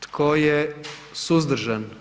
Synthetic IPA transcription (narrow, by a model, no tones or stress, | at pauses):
t̪kʰojesuzd̪ɾ̩ʒan